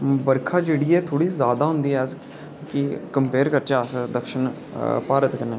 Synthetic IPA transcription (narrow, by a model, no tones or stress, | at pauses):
bəɾkʰaːd͡ʒeːɽiːɛːt̪ʰoːɽiːzaːd̪aːɦʊ̃nd̪iːɛz | kɪkəmpeːɾkəɾt͡ʃaːsd̪əkʃən | paːɾət̪kəneː